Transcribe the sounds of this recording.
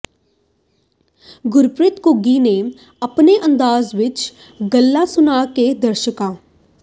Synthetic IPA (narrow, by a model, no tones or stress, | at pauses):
ɡʊɾpɾɪt̪kʊɡiːneː | əpneːʔə̃nd̪aːzʋɪt͡ʃ | ɡəlːaːsʊnaːkeːd̪əɾʃəkaː